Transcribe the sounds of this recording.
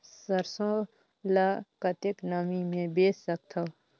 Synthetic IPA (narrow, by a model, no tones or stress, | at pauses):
səɾsõ | lakət̪ɪknaːmimẽbeːsːək̚t̪ʰɐ